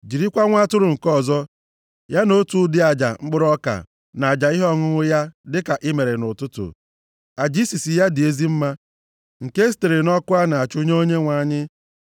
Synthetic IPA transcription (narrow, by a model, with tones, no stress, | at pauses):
d͡ʒi˨ɾi˦kʷa˦ŋʷa˦tʊ˦ɾʊ˨ŋ̩˨kɔ˦˨zɔ˦ | ja˦no˦tu˨˦dɪ˦a˨d͡ʒa̰˨ŋ͡m̩˦ɡ͡bʊ˦ɾɔ˦ka̰˨ | na˨a˨d͡ʒa˨i˦ɦɔ˦˨ŋʊ˦ŋʊ˦ja˦dɪ˦ka˨ʔɪ˦me˨ɾe˨nʊ˨tʊ˦tʊ̰˨ | a˨d͡ʒi˦si˨si˨ja˦dɪ˨e˦zi˦m̩˦ma˦ | ŋ̩˨ke˦s̬te˨ɾe˨nɔ˦kʊ˦a˦na˨a˨t͡ʃʊ˦ɲ˦o˦ɲe˦ŋʷa˨˦ɲɪ˦